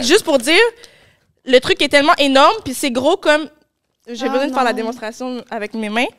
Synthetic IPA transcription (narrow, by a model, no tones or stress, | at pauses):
ʒyst̪̚puʁd̪iːʁ | lət̪χykɛt̪ɛlmɑ̃ʔenɔʁmpisɛɡʁokɔm | ʒebbəzwɛ̃d̪əfɛʁlad̪emɔ̃st̪χasjɔ̃avɛkmemɛ̃